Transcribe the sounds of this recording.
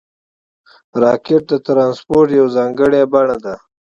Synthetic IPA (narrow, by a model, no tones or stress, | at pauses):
ɾɑːkeʈ̚d̪ət̪ɾɑːnspoɾʈjawzɑːŋɡəɽjabaɳad̪a